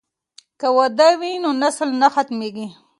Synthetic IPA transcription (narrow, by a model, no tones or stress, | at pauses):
kawad̪awinonaslnaxat̪meɡi